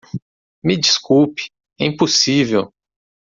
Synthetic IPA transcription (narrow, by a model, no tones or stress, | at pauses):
mɪd͡ʒiskupi̥ | ɛĩposivew